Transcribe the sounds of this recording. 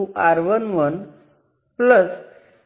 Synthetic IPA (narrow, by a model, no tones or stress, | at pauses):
uʔaɾʋənʋən | pləs